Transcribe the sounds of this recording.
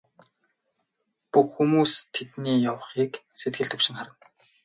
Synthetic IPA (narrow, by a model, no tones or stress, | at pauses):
puxxumuːst̪ʰet̪niːjawχiːkset̪̚ɡɘ̆ɮt̪ʰɵkʃɪ̆ŋχaɾə̆n